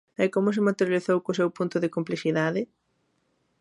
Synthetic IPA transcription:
ɛkomʊs̬ɪmat̪eɾjaliθowkʊs̬ewpunt̪ʊðɪkomplisiðaðɪ

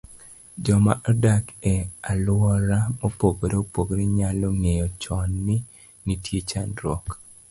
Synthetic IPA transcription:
d͡ʒɔma̰ʔadakealwɔɾamɔpoɡoɾopoɡɾeɲaloŋejɔt͡ʃɔnːi | nitjet͡ʃanɾɔk

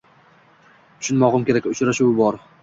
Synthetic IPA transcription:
ʊ̥ʃʰʊnmɒʁɨmkʲeɾakʲʊt͡ʃɾaʃuwɪbɒɾ

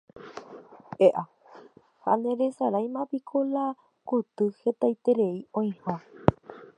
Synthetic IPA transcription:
eʔa | ha̰nẽ̞ɾesaɾajmãpikʰola | kut̪ɨhe̞t̪ajt̪e̞ɾe̞iõĩhõ

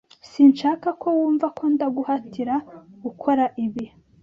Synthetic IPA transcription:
siːnʃaːkakʰo̞wuːɱvakʰo̞ndaɡuhatiɾaɡukʰo̞ɾaʔiβi

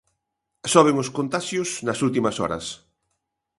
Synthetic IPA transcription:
sɔβeŋoskont̪aʃjʊsnɐsult̪imɐsɔ̰ɾɐ̰s

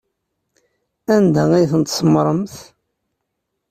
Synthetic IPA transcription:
ænd̪æijθənt̪sˤmɾˤəmθ

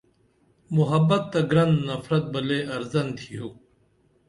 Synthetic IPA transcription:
muɦɐbɐt̪ːɐɡɾɐnnɐfɾɐt̪̚bɐleːɐɾzɐnt̪ʰijuː

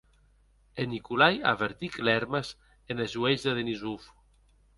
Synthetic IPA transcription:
enikulaja̰βeɾt̪iklɛɾmas | enezuezðeðenizuf

